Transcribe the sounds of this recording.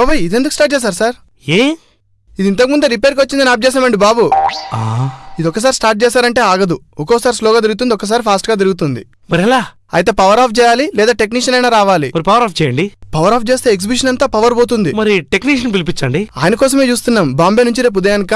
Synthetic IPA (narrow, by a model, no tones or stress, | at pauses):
oːbɐjid̪e̞nd̪uku̥sʈaːʈ̚t͡ʃɛːs̬aːɾusaːɾ | e | id̪int̪ɐkimund̪uɾipeːɾkʋɐt͡ʃːind̪ɐnaːp̚d͡ʒɛːs̬aːmɐɳɖibaːbuaːid̪ɔkːɐs̬aːɾisʈaːɾʈ̚t͡ʃɛːsaːɾɐɳʈe̞ːaːɡɐd̪u | ɔkɔːsaːɾisloːɡaːt̪̬iɾuɡut̪und̪iɔkːɐs̬aːɾipʰaːsʈɡaːt̪̬iɾuɡut̪̬und̪i | mɐɾiɛlaː | ɐ̰jɐt̪e̞ːpɐʋɐɾaːpʰt͡ʃɛːjaːlilɛːd̪aːʈe̞kniːʂɐnɐjnaːɾaːʋaːlimɐɾipɐʋɐɾaːpʰt͡ʃɛjɐɳɖipɐʋɐɾaːp̚ʰt͡ʃeːst̪e̞ːeks̬ibiʃ̬ɐnɐnt̪aːpɐʋɐɾboːt̪̬und̪imɐɾiʈekniʂɐnpilipit͡ʃːɐɳɖiaːjɐnɐkɔːsɐme̞ːt͡ʃuːst̪unːaːmbaːmbeːnuɲt͡ʃiɾeːp̬ud̪ɐjaːnkaː